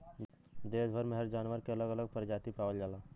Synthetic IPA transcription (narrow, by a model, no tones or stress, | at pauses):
d̪eːsbʱəɾmeɦɛɾd͡ʒaːnʋəɾkeɐləɡələɡ̚pəɾd͡ʒaːt̪ipaːʋəld͡ʒaːlaː